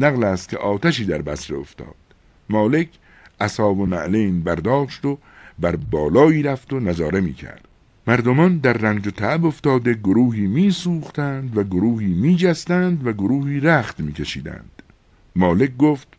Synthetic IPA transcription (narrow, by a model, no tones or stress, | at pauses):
næɣlæːst̪̚kʲʰḛʔɒːt̪ʰæʃiːd̪æɾbæsɾeoft̪ɒ̰ːd̪̥ | mɒːle̞kʰ | ʔæsɒːvomæʔlejnbæɾd̪ɒːʃt̪o | bæɾbɒːlɒːiːɾæft̪o̞næzɒːɾe̞mḭːkʰæ̰ɾd̪̥ | mæɾd̪omɒːnd̪æɾːæŋd͡ʒot̪ʰææbo̞ft̪ɒːd̪e̞ɡoɾuːɦiːmiːsuːχt̪ænd̪væɡoɾuːhiːmiːd͡ʒæst̪ænd̪væɡoɾuːhiːɾæχt̪miːkʰeʃiːd̪æ̰nd̪̥ | mɒːle̞k̚ɡoːft̪̚